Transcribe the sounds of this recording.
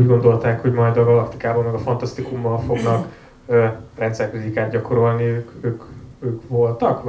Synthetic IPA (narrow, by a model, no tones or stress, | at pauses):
uːɟɡo̞nd̪o̞lt̪aːkho̞ɟmɒjd̪ɒɡɒlɒkt̪ikaːboːlmɛɡɒfɒnt̪ɒst̪ikumːɒlfo̞ɡnɒk | rɛnt̪sɛrkyzikaːt̪̚ɟɒko̞ɾo̞lniøːkøːkøːkʋo̞lt̪ɒk